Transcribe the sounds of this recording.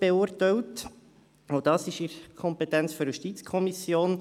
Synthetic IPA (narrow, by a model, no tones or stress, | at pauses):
b̥ɛuːɾtɛwt | od̥ɑːsɪʃiɾkʰɔmpɛtɛnt͡sføɾjuʃtit͡skʰɔmisjoːn